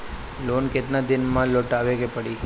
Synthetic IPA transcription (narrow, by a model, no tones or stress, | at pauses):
lonket̪nad̪ɪnmãloʈaʋekepəɽi